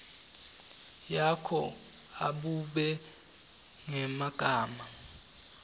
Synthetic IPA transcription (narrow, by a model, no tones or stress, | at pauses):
jakʰɔ | a̰ɓuɓɛ | ŋɛmaɡ̥ʼʱaːma